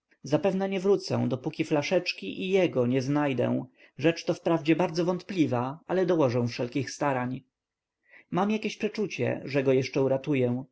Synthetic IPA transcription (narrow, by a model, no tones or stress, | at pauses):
zapɛvnɛɲɛvɾut̪sɛ̰̃d̪ɔpukʲiflaʂɛt͡ʂkʲiʔijɛɡɔɲɛznajd̪ɛ̰w̃ | ʐɛt͡ʂt̪ɔfpɾavd͡ʑɛbaɾd̪zɔvɔnt̪plʲivaalɛd̪ɔwɔʐɛw̃fʂɛlkʲixst̪aɾaɲ | mamjakʲeɕpʂɛt͡ʂut͡ɕɛ̰ʐɛɡɔjɛʂt͡ʂɛuɾat̪ujɛ̃